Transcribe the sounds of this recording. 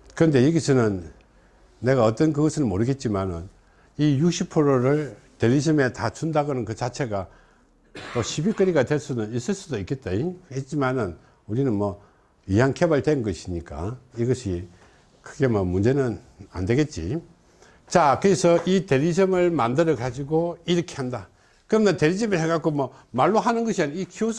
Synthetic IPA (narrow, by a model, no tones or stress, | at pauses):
kɯɾʌnde̞jiɡisʰɯnɯnː | e̞ɣaʌt͈ʌnkɯɡʌsʰɯɭmoɾɯɡe̞t̚t͡ɕ͈imanɯ̰n | ijuk̚ɕ͈ʰipʰɯɾoɾɯɭ | te̞ɾid͡ʑʰɯme̞tat͡ɕundaɡʌnɯnkɯt͡ɕat͡ɕʰe̞ɡa | mʌɕʰibik͈ɯɾiɡadwe̞ɭs͈unɯnis͈ɯɭs͈udoik͈et̚t͈ehet̚t͡ɕ͈imanɯn | uɾinɯnmʌ | ijaŋkʰebaɭtwenɡʌɕʰiɲik͈a̰iɡʌɕʰi | kʰɯɡe̞mʌmund͡ʑe̞nɯna̰ndwe̞ɡe̞t̚t͡ɕ͈ḭ | t͡ɕakɯɾesʰʌʔite̞ɾid͡ʑɯmɯɭmandɯɾʌɡad͡ʑiɡoiɾʌkʰe̞ɦanda | kɯɾʌmnete̞ɾid͡ʑɯmɯɭɦeɡak͈omʌ | maɭːoɦanɯnɡʌɕʰianikʰios